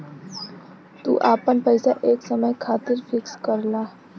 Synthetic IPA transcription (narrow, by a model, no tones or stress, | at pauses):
t̪ṵːʔapəɳpəjsaʔeːksəməjkʰat̪iːɾfikskəɾla